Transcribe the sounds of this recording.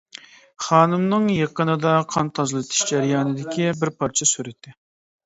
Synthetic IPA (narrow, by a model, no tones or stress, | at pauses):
χɑːnɨmnɨŋjeqənɨd̪ɑqʰɑnt̪ʰɑzɨlˠɨt̪ʰɨ̥ʃd͡ʒæɾijɑːnɨd̪ɪkʲʰibɪɾpʰɑɾt͡ʃʰɛsyɾɪt̪ʰːɪ